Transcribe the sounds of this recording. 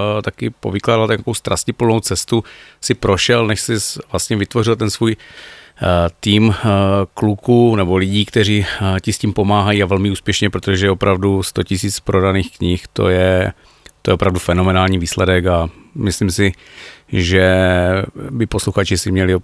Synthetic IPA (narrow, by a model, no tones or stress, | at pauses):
t̪akɪpo̞̰vɪklaːdalt̪aakowst̪ɾʔascɪplnowt͡sɛst̪usɪpɾo̞ʃɛlnɛʃsɪvlast̪ɲɛvɪt̪vo̞rɪlt̪ɛnsvuːj | t̪iːmklukunɛbo̞lɪɟiːkt̪ɛr̝iːcɪsciːmpo̞maːɦajiavɛlmɪuːspjɛʃɲɛpɾot̪oʒɛjɛopɾavdust̪ocɪsiːt͡spɾʔo̞daniːxkɲɪxt̪o̞̰jɛ | t̪ojɛopɾavdufɛno̞mɛnaːlɲiːviːslɛdɛkamɪslimsɪ | ʒɛ | bɪposluxat͡ʃɪsɪmɲɛlɪ